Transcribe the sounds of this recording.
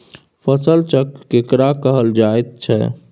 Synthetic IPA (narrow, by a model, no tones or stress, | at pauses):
pʰəsəlt͡ʃəkːekɾakəɦəld͡ʒaet̪̚t͡ʃʰɛ̰